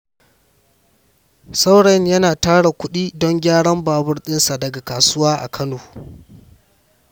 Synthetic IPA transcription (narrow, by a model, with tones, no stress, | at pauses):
sa˦wɽɐ˨njɐ˦naː˨taː˦ɽa˨kʷʊ˦ɗiː˦dɔ˦ŋɡʲaː˦ɽɐ˦mbaː˨bʊ˦rɗɪ˦nsa˨dɐ˨ɡa˨kaː˨sʊ˦waː˦ʔa̰˨kʰɐ˦noː˨